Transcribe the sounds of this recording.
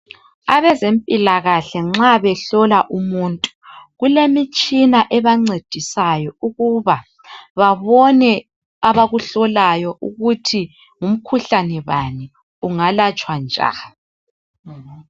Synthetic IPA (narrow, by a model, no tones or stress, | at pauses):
aβɛzempʼilaɣaɬɛŋ͡ǁaβɛɬɔlaʔumuntʼu̥ɣulemit͡ʃʼinaʔɛβaŋ͡ǀed̥ʱisajɔuɣuβa | βaβɔnɛ | aβaɣuɬɔlajɔʔuɣutʰi | ŋum̩kʰuɬanɛβani | uŋalat͡ʃʼwand͡ʒʱa̰li